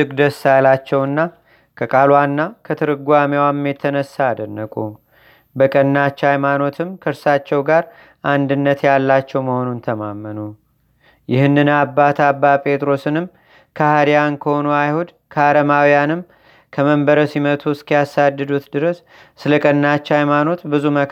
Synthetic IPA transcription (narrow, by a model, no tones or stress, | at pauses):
ɨɡd̪əsːalat͡ʃːɛwɨnːa | kʰəkʼalwanːakʰət̪ʰɨɾɨɡʷamewamːjet̪ʰənəsːaːd̪ənːəkʼu | bəkʼənːat͡ʃːajmano̞t̪ʰɨmkʰəɾsat͡ʃːɛwɡaɾ | ʔand̪ɨnːət̪jalːat͡ʃːɛwməho̞nunt̪ʰəmamːənu | jɪhɨnːɨnabːat̪ʰabːapʼe̞t̪ʼɾo̞sɨnɨm | kʰəhad̪ijankʰəho̞nuajhud̪ | kʰəaɾəmawijanɨm | kʰəməmbəɾəsimət̪ʰuskʰijasad̪ːɨd̪ut̪d̪ɨɾəsː | ɨləkʼənːat͡ʃːhajmano̞t̪bɨzumə